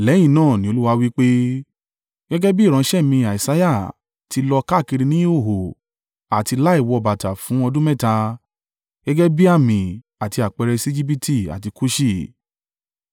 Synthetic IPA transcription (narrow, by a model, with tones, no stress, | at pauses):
lɛ˨˦j̃ĩ˦˨nãː˦˨nĩ˦o˧lu˦wa˧wi˦k͡pe˦ | ɡ̥ɛ˦ɡɛ˦bi˦˨ɾ̃ã˨˧˦ʃɛ˦˨mĩ˧a˨i˨sa˧˦ja˦˨ | ti˨˧lɔ˧ka˦˨ki˧ɾi˧nĩ˦o˦˨ɦo˨ | a˨ti˧la˦i˦˨wɔ˧ɔ˧ba˨ta˨fũ˨˦ɔ˧dũ˦mɛ̃˦˨ta˧ | ɡ̥ɛ˦ɡɛ˦bi˦a˦˨mĩ˨ | a˨ti˧a˨k͡pɛ˧ɾɛ˧si˦d͡ʒi˦p̬i˦tʰi˦˨a̰˨ti˧ku˦ʃi˦˨